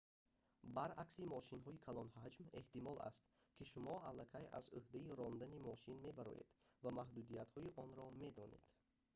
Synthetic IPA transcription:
baɾaksimɔʃinɦɔikʰalɔnhad͡ʒme̞ht̪imɔla̰st̪kʰiʃumɔalːakʰaja̰zuhd̪aiɾɔnd̪animɔʃinme̞baɾɔ̰je̞̰d̪̥vamahd̪ud̪ijat̪hɔiʔɔnɾɔme̞d̪ɔne̞̰d̪̥

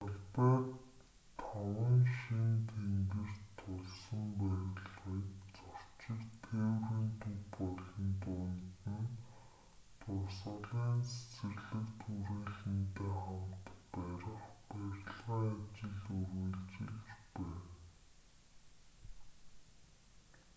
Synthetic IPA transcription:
tɔɮpæːt̪ʰ | ɔwə̆ŋʃint̪ʰeŋɡɘ̆r̥t̪ʰːʊɮsɞ̆mpæːɾʲɮʁiːtt͡sɔr̥t͡ɕɪ̆kt̪ʰewriːnt̪ʰuwpɔɮɞ̆nt̪ʊːnt̪ɘ̆n | t̪ʰʊrsə̆ɮiːnset͡sɘ̆rɮɘ̆kt̪ʰuɾeːɮɘ̆nt̪ʰeːχamt̪pæɾɪ̆χpæɾʲɮʁaːat͡ɕɪ̆ɮurɣiɮt͡ɕɪ̆ɮt͡ɕpæːn

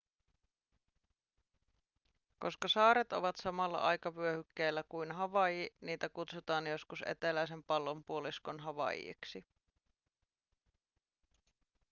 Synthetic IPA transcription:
ko̞skɑsɑːɾet̪o̞̰ʋɑt̪sɑmɑlːɑ̰ʔɑjkɑʋyøhykːeːlːækujnɦɑʋɑjiniːt̪ækut̪sut̪ɑːnjo̞skuse̞̰t̪e̞læjs̬e̞mpɑlːo̞mpuo̞liskonɦɑʋɑ̰jḭksi

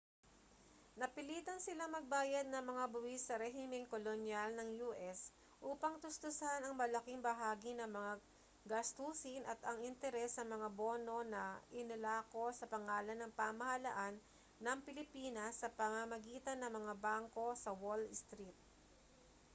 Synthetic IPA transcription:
nɐpɪliːt̪ɐnsɪlaŋmɐɡ̚baːjɐd̪̚nɐŋmɐŋabʊwisːɐɾɛɦɪmɛŋkolonjalnɐŋjuːʔɛs | ʔuːpɐŋt̪ʊst̪ʊsanɐŋmɐlɐkɪŋbɐɦaːɡinɐŋmɐŋa | ɡɐst̪uːsɪnʔɐt̪ɐŋɪnt̪ɛɾɛsɐŋmɐŋaboːno̞nɐʔɪnɐlaːko̞sɐpɐŋaːlɐnːɐŋpamɐhɐlɐ̰ʔanː | ɐŋpɪlɪpiːnɐsːɐpɐmamɐɡiːt̪ɐnːɐŋmɐŋabaŋko̞sɐwold̪st̪ɾit̪̚

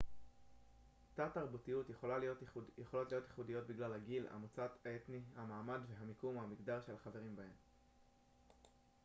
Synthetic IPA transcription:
tataʁbutijutjeχolalojeχolo̞tlijo̞t̪jeχudijo̞t̪̚biɡlalhaɡila̰mut͡sat̪haetnihamaːmadveɦamikumhamiɡdaʁʃe̞laχave̞ʁimbahe̞m

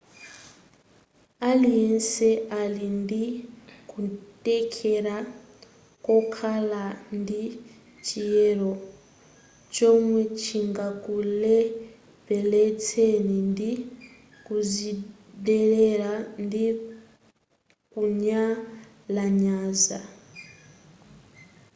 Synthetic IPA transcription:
aliɛnsɛalindikutʼɛkʰɛɾa | kɔkʰalandi | t͡ʃijɛɾɔ | t͡ʃɔmwɛt͡ʃʰiŋɡakulɛ | pɛlɛt͡sʰenindi | kuzi | dɛlɛɾandi | kuɲa | laɲaza

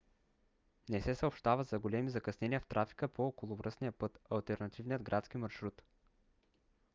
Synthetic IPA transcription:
nɛsɛsəopʃt̪avəzɐɡolɛmizɐkɐsnɛniəft̪ɾʔafi̥kəpookolˠʊvɾəsnijəpɤt̪ɐlˠt̪ɛɾnɐt̪ivnijəd̪ɡɾʔat̪skimɐɾʃɾut̪

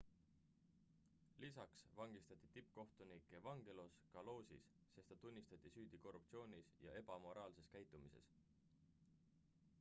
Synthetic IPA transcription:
lisɑksvɑŋɡ̥ist̪ɑt̪ʲːˑit̪ip̚ːko̞ht̪unikːˑe̞vɑŋɡ̥e̞loskɑlo̞ːsḭsːe̞st̪ɑt̪unʲːist̪ɑt̪ʲːˑisyːd̪̥iko̞rːup̚t̪sio̞ːnʲisjɑ̰ʔe̞b̥ɑmo̞ɾɑːlse̞skæjt̪ːˑumise̞̰s

